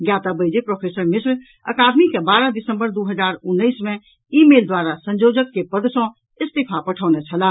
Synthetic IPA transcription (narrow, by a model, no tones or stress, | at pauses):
ɡjaːt̪abəɪd͡ʒepɾoːpʰeːsəɾmɪsɾ | ə̰kaːd̪mikebaːɾad̪ɪsə̃mbəɾd̪uɦəd͡ʒaːɾʊnːəɪsmẽ | iːmeːld̪waːɾasə̃nd͡ʒoːd͡ʒəkːepəd̪sɔ̃ | ɪst̪ipʰapəʈʰəːnɛt͡ʃʰəla